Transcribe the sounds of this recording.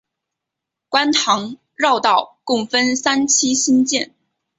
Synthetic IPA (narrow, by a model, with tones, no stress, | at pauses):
kwa˥nt̪ʰɑ˧˥ŋ | ɻɑ˥˧ʊt̪ɑ˥˩ʊkʊ˥˩ŋfə˥nsa˥nt͡ɕʰi˥ɕi˥nt͡ɕjɛ˥˩n